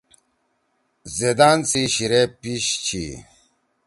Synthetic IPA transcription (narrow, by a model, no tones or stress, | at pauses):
zed̪aːnt͡siɕiɾepiɕt͡ɕʰḭ